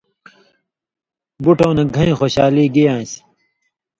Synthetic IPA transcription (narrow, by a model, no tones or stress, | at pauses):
buʈõːnɐɡʱɐ̃ĩːxoːɕaːliːɡijãːsi̥